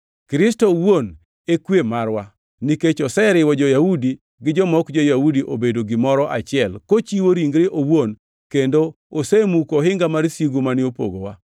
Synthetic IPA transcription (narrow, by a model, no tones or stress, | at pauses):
kɾɪstɔwon | ekwemarwa | niket͡ʃɔsɛɾɪwɔd͡ʒɔjaudi | ɡɪd͡ʒɔmɔkd͡ʒojaudiʔobedoɡɪmɔɾɔʔa̰t͡ʃɪɛlkot͡ʃiwoɾiŋɡɾɪʔowon | kendo | osemukoɦɪŋɡamaɾsiɡumanɪopo̰ɡowa